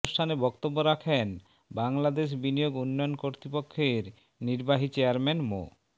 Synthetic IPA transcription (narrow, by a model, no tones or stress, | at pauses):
sʈʰanebɔkt̪obːoɾakʰen | baŋlad̪eʃ̬binioɡunːɔjonkoɾt̪ɾipokʰːeɾ | niɾbaɦit͡ɕeaɾmenmo̰